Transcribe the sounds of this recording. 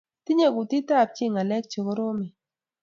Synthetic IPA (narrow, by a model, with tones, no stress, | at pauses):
ti˦ɲe˦˨ɡu˨ti˦ta˦˨p̚t͡ʃɪ˦˨ŋa˨lɛ˦k̚t͡ʃo˨ko˦ɾo˦mɛ˨